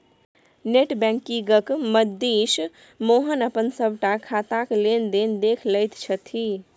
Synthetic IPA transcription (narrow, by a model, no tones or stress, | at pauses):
neʈbɛ̃ŋkiɡəkməd̪iʃ | moɦənəpənsəbʱʈakʰat̪aklend̪end̪ekʰləjt̪t͡ʃʰət̪ʰi